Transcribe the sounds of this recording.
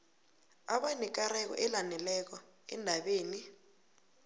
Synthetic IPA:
aɓanɛk̬aɾɛk̬ɔ̰ʔɛlanɛlɛk̬ɔɛ̰ndʱaɓeːni

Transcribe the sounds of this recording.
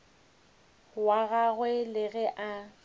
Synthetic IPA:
waɣaɣwɛlɪɣɛʔa

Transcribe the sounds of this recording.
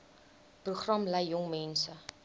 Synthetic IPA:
pruχrɐmlɛjːɔŋmɛnsə

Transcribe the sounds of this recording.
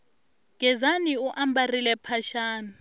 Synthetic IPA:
ŋɛzaniuʔambʱarilɛpʰaʃaːna

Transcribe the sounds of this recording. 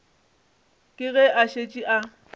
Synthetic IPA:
kʼɪɣɛʔaʃet͡ʃʼiʔa

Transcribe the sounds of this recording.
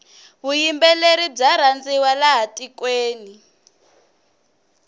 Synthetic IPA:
βujimbɛleɾib͡ʐaɾ̤and͡ziwalaɦatʼikweːni

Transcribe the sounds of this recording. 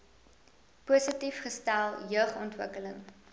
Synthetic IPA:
puːsətifχəstælˠjœːχɔntvəkələŋ

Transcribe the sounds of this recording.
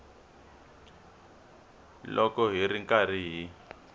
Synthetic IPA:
lʔɔkɔɦiɾiŋkariːɦi

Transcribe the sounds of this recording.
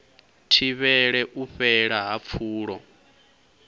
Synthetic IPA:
tʰiβɛɺɛʔuɸɛɺaɦap̪fʰuːɺɔ

